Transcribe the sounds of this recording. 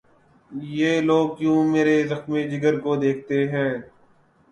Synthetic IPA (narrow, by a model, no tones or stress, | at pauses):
jeːloːɡ̚kjũːmeːɾezəxmid͡ʒɪɡəɾkod̪eːkʰt̪eɦɛ̃ː